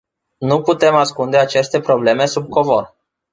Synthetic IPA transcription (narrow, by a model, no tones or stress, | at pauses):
nuput̪e̞maskund̪e̞at͡ʃe̞st̪e̞pɾo̞ble̞me̞sub̚ko̞vo̞̰r